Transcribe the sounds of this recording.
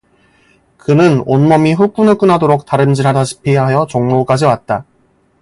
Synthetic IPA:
kɯnɯnonmʌmiɸup͈unɯɭk͈ɯnɦadoɾok̚t͈aɾɯnd͡ʑiɾɦadaɕʰi̥pʰiɦajʌt͡ɕʌŋnok͈ad͡ʑiwat̚t͈a

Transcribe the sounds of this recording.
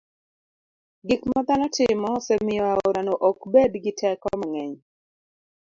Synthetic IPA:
ɡikmɔd̪anɔtɪmɔsɛmɪɔaoɾanoʔokbedɡɪtʰɛkɔmaŋɛɲ

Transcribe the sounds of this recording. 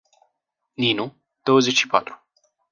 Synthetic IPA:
ninu | d̪̥o̞wəzet͡ʃʃipat̪ɾu̥

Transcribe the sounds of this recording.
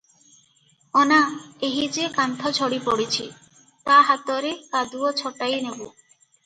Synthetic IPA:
ɔnaeɦid͡ʒekant̪ʰɔt͡ɕʰɔɽipoɽit͡ɕʰi | t̪aɦat̪ɔɾekad̪uot͡ɕʰɔʈajnebu

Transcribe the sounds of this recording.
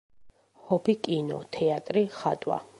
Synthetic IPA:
hɔbikʼinɔ̰t̪ʰɛat̪ʼɾiχat̪ʼwa̰

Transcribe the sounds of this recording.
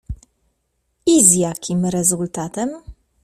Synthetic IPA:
izjakʲimɾɛzult̪at̪ɛm

